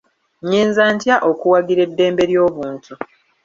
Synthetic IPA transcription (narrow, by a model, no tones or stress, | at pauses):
ɲiːnzaːntjaʔo̞kuwaɡiɾe̞dːe̞ːmbe̞ɾjo̞ːβuːntu